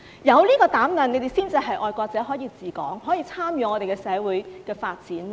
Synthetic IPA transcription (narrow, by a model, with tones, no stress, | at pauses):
jɐ˨˧wliː˥kɔː˧t̪aː˨˥mlɐ˨ne˨˧jt̪e˨jsiː˥nt͡si˨˧ɦɐ˨jʔɔː˨˧jkʷɔː˧k̚t͡sɛː˨˥ɦɔː˨˥jiː˧t͡siː˨kɔ̰ː˨˥ŋɦɔː˨˥jiː˧t͡sʰaː˥mjyː˨ŋɔː˨˧t̪e˨˩kɛː˧sɛː˨˧wuː˨˥jkɛː˧faː˧t̚t͡siː˨˥n